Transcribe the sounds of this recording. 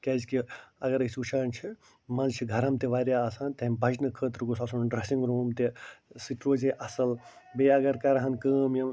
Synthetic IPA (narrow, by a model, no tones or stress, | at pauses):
kʲɐzkiɐɡɐɾɐsut͡ʃʰaːnt͡ʃʰi | mɐnzt͡ʃʰiɡʱɐɾɐmt̪eʋaːɾʲjaaːsãːnt̪ɐ̃bʱɐd͡ʒnɨkʰəːt̪ɾukusɐsunɖɾɐsĩŋɡɾoːmt̪esiʈ̪ɾoːzeʔɐsɐl | beɐɡɐɾkɐɾɐɦɐnkəːmjɐm